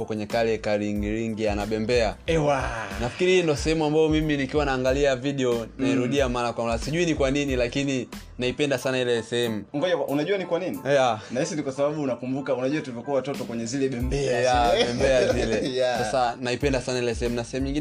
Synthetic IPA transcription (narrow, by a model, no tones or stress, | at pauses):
ɔkwɛɲɛkalɛkaɾiŋɡiɾiŋɡianaɓɛmbɛaɛwanafi̥kiɾindɔsɛhɛmuambajɔmiminikiwanaːŋɡaliaviɗɛɔnaiɾuɗiamaːnakwambasiʄuinikwaninilakini | naipɛndasanailɛsɛhɛmuŋɡɔʄaaʔunaʄuanikwaninijanahisinikwasaɓaɓuːnakumbukaunaʄuatulivɔkuawatɔtɔkwɛɲɛzilɛɓɛmbɛajaɛmbɛazilɛjasasanaipɛndasanailɛsɛɛmunasɛhɛmuɲiŋɡin